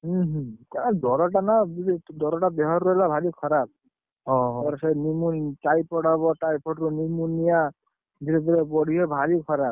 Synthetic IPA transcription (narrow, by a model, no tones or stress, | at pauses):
ɦuɦkad̪ɔɾɔʈ̬anabid̪ɔɾɔʈabɛɦɔɾɔɛlabʱalikʰɔɾab̚ | ɔɔɾɔsɛnimunʈajpɔɽaβɔʈajpʰɔʈɾunimunija | b̪ʱiɾɔt̪iɾɛbɔɽ̤ʱiɦɔbʱalikʰɔɾab̚